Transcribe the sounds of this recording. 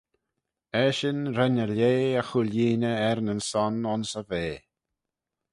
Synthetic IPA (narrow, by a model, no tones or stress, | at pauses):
ɛʃɪnɾɛnəleːəxuljiːnəɛɾnənsɔnʊnsəveː